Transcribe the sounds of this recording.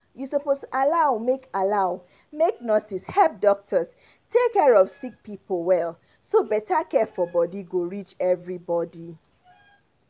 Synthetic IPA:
jusɔpostʔalaʊmekalaʊ | meknɔsishɛlp̚dɔk̚tʰəs | tʰekːɛɹɔfsik̚pipl̩ˠwɛl | sobɛtakɛfɔbɔdiɡoɹit͡ʃɛvɹibɔdi

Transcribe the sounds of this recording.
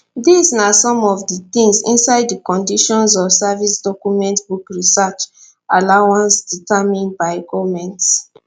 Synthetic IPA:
disnasɔ̃mɔvditĩŋsḭ̃nsaɪdikɔ̃ndiʃɔ̃ns̬ɔfsavisdɔkumɛ̃ntbukɹisat͡ʃ | alawãnsd̥itamĩnbaɪɡɔvmɛ̃nts

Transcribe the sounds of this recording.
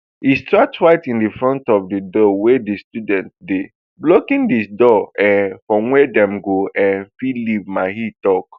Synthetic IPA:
histatwaɪtĩndifɹɔ̃ntɔvdidɔwɛdistudɛ̃nt̚de | blokĩndisdɔɛ̃fɹɔ̃mwɛdɛ̃mɡoʔɛ̃nfilivmaɦitɔk

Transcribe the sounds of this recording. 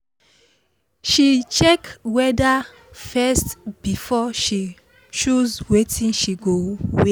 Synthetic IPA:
ʃit͡ʃɛkwɛda | fɛstb̥ifɔʃi | t͡ʃuzwetʰĩnʃiɡowe

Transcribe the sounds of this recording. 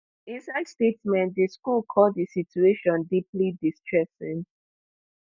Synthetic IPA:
ĩnsaɪdstetsmɛ̃ntdiskulkʰɔddisitueʃɔ̃ndiplidistɹɛsɪ̃ŋ

